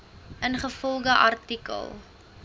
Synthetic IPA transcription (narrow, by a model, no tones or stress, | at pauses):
ʔənχəfɔlˠɡəʔɐ̰rtikə̰lˠ